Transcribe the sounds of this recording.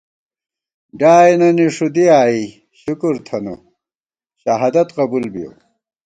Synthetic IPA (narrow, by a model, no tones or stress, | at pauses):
ɖaːjinɐniʂud̪iaːi | ɕukuɾt̪ʰɐnṵ | ɕɐɦad̪ɐt̪qɐbulbijo̰